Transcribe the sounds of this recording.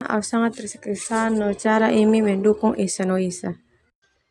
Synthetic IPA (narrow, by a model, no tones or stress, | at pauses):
ʔa̰usaŋat̪ːrisɛ̥kisanɔt͡ʃaɾaʔimimɛndukʊŋʔɛsanɔisa